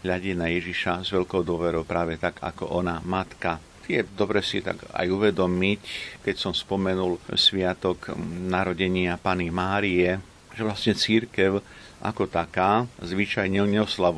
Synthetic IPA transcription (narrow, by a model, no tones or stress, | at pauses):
ɦʎaɟɛnajɛʒiʃazʋɛʎkɔʊd̪ʊɔʋɛɾɔʊpɾaːʋɛt̪aɡa̰kɔ̰ʔɔnamat̪ka | t̪ɪjɛd̪ɔbɾɛsḭt̪a̰ɡa̰juʋɛd̪ɔmickɛcsɔmspɔmɛnulsʋɪat̪ɔknaɾɔɟɛɲɪapanimaːɾiɛ | ʒɛʋlasɲɛt͡siɾkɛʊ | ʔa̰kɔt̪akaːzʋit͡ʃajɲɛlɲɛɔslaʋ